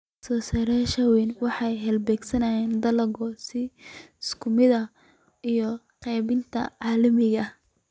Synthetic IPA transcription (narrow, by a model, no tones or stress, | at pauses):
sɔːsɐɾɛʃɐwɛnwɑħɑjɦɛlbɛːɡsɐnɐjɛːnd̪ɐlɐɣɔsɪskʰʊmɪðɐ | ijɔ | qɛjβɪnt̪ʰɐ̰ʕɑːlɐmɪɣɐ